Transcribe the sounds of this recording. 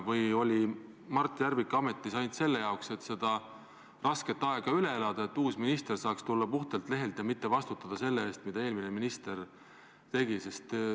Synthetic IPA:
vɯjo̞lʲi | mɑrt̪ːˑjærvikːˑɑme̞t̪ːˑisɑjnt̪se̞lːe̞jɑokse̞t̪se̞d̪̥ɑ | rɑske̞t̪ːɑe̞ɡ̥ɑyle̞e̞lɑd̪̥ɑet̪ːuːsminist̪e̞rsɑːkst̪ulːɑpuht̪elt̪le̞ɦe̞lt̪jɑmit̪ːe̞vɑst̪ut̪ːˑɑd̪̥ɑse̞lːeeːst̪mid̪ɑe̞ːlmineminist̪e̞r | t̪e̞ɡise̞st̪

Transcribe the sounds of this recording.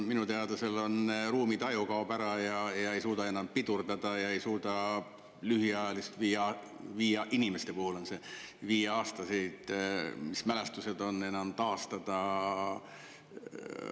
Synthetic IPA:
minut̪eɑd̪ɑse̞lo̞nruːmid̪̥ɑjukɑob̥æɾɑjɑjɑe̞jsuːd̪̥ɑe̞nːɑmpid̪̥urd̪ɑd̪̥ɑjɑe̞jsuːd̪ɑ | lyɦiɑjɑlist̪viːjɑ | viːjɑʔinime̞st̪e̞puhulo̞nse̞viːjeɑːst̪ɑsijd̪̥mismælest̪use̞d̪̥o̞nːe̞nɑmt̪ɑːst̪ɑd̪̥ɑ

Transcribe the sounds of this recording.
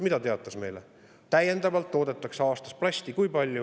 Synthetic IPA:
mid̪ɑt̪e̞ɑt̪ːˑɑsme̞jle | t̪æje̞nd̪ɑvɑlt̪ːo̞ːd̪̥et̪ːˑɑkseɑːst̪ɑsplɑsʲt̪ikujpɑlʲju

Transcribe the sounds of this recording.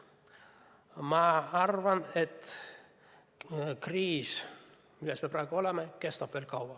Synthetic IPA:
mɑɑrʋɑnet̪ | kriːs | milːesmeproeɡuolemekest̪ob̥ʋeːlkɑwɑ

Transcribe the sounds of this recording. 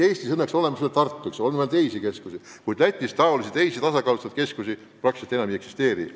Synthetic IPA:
eːst̪isɤnːekso̞le̞mɑselːt̪ːɑrt̪ːuiksolnvælt̪e̞isike̞skusi | kujd̪læt̪ʲˑːist̪ɑolisit̪e̞jsit̪ɑsɑkɑːlust̪ɑt̪ke̞skusi | prɑkset̪ːe̞nɑmie̞ksi̥st̪e̞ːɾḭ

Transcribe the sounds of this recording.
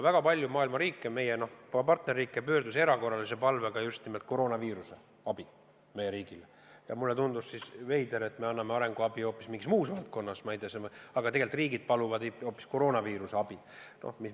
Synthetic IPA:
væɡ̥ɑpɑlʲjumɑːilmɑɾiːkːˑeme̞jeno̞hppɑrt̪ne̞rːiːkːˑepøːrd̪useɾɑko̞rːɑlise̞pɑlve̞ɡ̥ɑjust̪nimelt̪̚ko̞ɾo̞ːnɑviːɾuse̞ | ɑb̥i | me̞jːeɾiːɡ̥ile | jɑ̰mulːet̪und̪ussisve̞jd̪eɾe̞t̪ːme̞ɑnːɑme̞ɑɾe̞ŋɡ̥uɑbio̞ːpːˑismiŋɡismuːsvɑlt̪̚ko̞nːɑsmɑijd̪eɑsemɑɡ̥ɑt̪e̞ɡe̞lt̪ːˑriːɡid̪̥̚pɑluvɑd̪eo̞ːpːisko̞ɾo̞ːnɑviːɾuse̞ɑb̥i | no̰hmis

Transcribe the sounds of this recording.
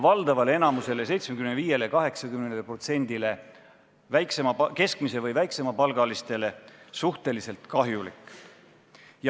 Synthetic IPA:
vɑld̪ɑvɑleenɑmuse̞les̬e̞jt̪smekymneviːje̞lekɑɦe̞ksɑkymnenelpro̞t̪se̞nd̪ile̞ | væjkse̞mɑpke̞skmisevɤjvæjkse̞mɑpɑlɡ̥ɑlist̪e̞le̞suht̪e̞lise̞lt̪kɑɦjulḭkːˑ | jɑ

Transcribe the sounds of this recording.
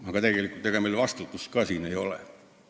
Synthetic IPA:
ʋɑˑŋkɑt̪ekelikut̪ekæmeˑilʋɑst̪ut̪ːuskɑːsiːneiolḛ

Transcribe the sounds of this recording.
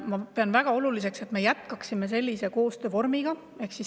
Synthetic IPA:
mɑpeɑnvæɡ̥ɑo̞lulise̞kse̞t̪me̞jæt̪kɑksime̞s̬e̞lʲːise̞ko̞ːst̪øːvo̞rmiɡ̥ɑ | e̞hksis

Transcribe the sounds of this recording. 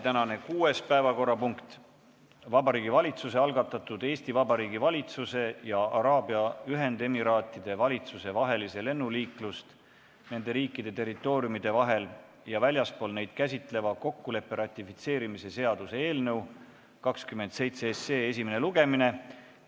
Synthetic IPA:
t̪ænɑne̞kuːe̞spæevɑko̞rːɑpuŋkt̪ | vɑbɑɾiːɡivɑlʲit̪sus̬e̞ɑlɡɑt̪ːˑɑt̪ːˑud̪e̞ːst̪ivɑbɑɾiːɡivɑlʲit̪suse̞jɑʔɑɾɑːbiɑyɦe̞nd̪e̞miɾɑːt̪ˑːid̪̥e̞vɑlʲit̪suse̞vɑɦe̞lise̞le̞nːuliːklust̪ | ne̞nd̪̥e̞ɾiːkːˑid̪̥e̞t̪e̞rit̪ːˑo̞ːɾiumid̪̥e̞vɑɦe̞l | jɑvælʲjɑspo̞ːlne̞jd̪̥kæs̬ʲit̪ˑle̞vɑko̞kːule̞pːe̞ɾɑt̪ʲːˑifit̪se̞ːɾimise̞se̞ɑd̪̥use̞e̞ːlnɤw | kɑkskymːe̞nd̪se̞jt̪seeseːe̞simene̞luɡ̥e̞mine̞

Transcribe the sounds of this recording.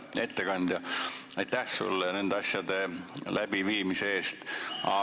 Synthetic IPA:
e̞t̪ːe̞kɑnd̪̥jɑɑjt̪ːˑæhsṵlːene̞nd̪̥eɑsʲjɑd̪e̞lʔæb̥iviːmiseeːst̪ɑ̰

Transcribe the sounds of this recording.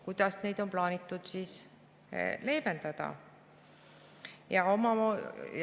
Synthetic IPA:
kujd̪̥ɑsne̞jd̪̥o̞mplɑːnit̪ːˑud̪̥siːs | le̞ːme̞nd̪̥ɑd̪̥ɑ̰ | jɑo̞mɑ

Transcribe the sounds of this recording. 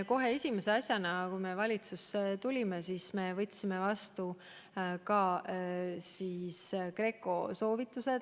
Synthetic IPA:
ko̞ɦe̞esʲimeseɑsʲjɑnɑkujme̞vɑlʲit̪suset̪ulʲimesiːsme̞vɤt̪ʲːˑsime̞vɑst̪u | kɑ | siːskre̞kːˑo̞so̞ːvit̪ːˑuse̞d̪

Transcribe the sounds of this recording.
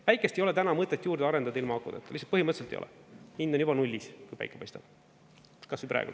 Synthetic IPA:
pæjkːˑest̪ejole̞t̪ænɑmɤt̪ːˑet̪juːɾd̪eɑɾed̪ɑd̪ɑilmɑɑkːˑṵd̪ɑ̰t̪ːˑɑ̥̰isɑ̥t̪pɤhiməɤt̪set̪ejo̰ɛ̰ind̪onjubɑnulʲːiskujpɑ̰jkːˑepɑ̰jst̪ɑ̰b̥ | kɑsvuprɑ̰ḛɡṵ

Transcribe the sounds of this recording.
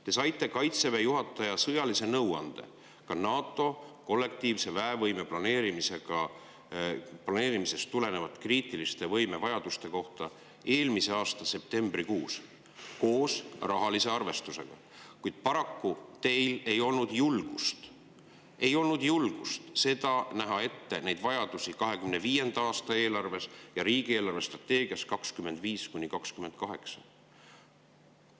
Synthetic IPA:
t̪e̞sɑjt̪ːˑe̞kɑjt̪se̞ve̞juɦɑt̪ːˑɑjɑsɤjɑlise̞nɤwɑ̰nd̪̥e̞̰ | kɑnɑːt̪ːˑo̞ko̞lːe̞k̚t̪iːvse̞væevɤjme̞plɑne̞ːɾimise̞ɡ̥ɑ | plɑne̞ːɾimise̞st̪ːule̞ne̞vɑt̪ːˑkriːt̪ˑilist̪e̞vɤjme̞vɑjɑd̪̥ust̪e̞ko̞ht̪ɑ | e̞ːlmise̞ɑːst̪ɑse̞p̚t̪e̞mb̥rikuːs | ko̞ːsrɑɦɑlise̞ɑrve̞st̪use̞̰ɡ̥ɑ̰ | kujd̪̥̚pɑɾɑkːut̪e̞jle̞jo̞lnud̪̥julɡ̥ust̪ | e̞jo̞lnud̪̥julɡ̥ust̪se̞d̪̥ɑnæɦɑe̞t̪ːe̞ne̞jd̪̥vɑjɑd̪̥usikɑɦe̞kymne̞viːje̞nd̪̥ɑɑːst̪ɑe̞ːlɑrve̞sjɑɾiːɡ̥ie̞ːlɑrve̞st̪rɑt̪ːe̞ːɡ̥iɑskɑkskyme̞nd̪̥viːskuɲʲnʲikɑkskyme̞nd̪̥̚kɑɦe̞ksɑ

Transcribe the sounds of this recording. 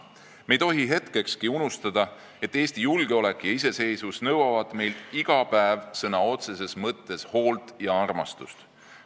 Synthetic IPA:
me̞jt̪o̞ɦiɦe̞t̪ke̞kskiunust̪ɑd̪̥ɑ | e̞t̪ːˑeːst̪ijulɡ̥eo̞le̞kːˑjɑis̬e̞se̞jsusnɤwɑvɑd̪̥me̞jlt̪iɡ̥ɑpæevsɤnɑo̞t̪se̞se̞smɤt̪ːe̞sho̞ːlt̪ˑjɑɑrmɑ̰st̪ust̪

